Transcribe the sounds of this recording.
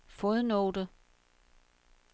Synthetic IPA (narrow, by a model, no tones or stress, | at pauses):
foðˠnoːd̥ə